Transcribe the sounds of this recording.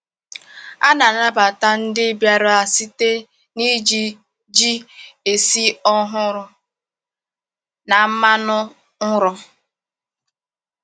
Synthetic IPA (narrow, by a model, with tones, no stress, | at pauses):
a˦na˨na˦ba˨ta˦n̩˦dɪ˦bja˨ɾa˨si˦te˦ | ni˦d͡ʒi˦ | d͡ʒi˦e˨si˦ɔ˦ɦʊ˦ɾʊ˨ | na˨m̩˦ma˦nʊ˦ | ŋ̩˦ɾʊ˦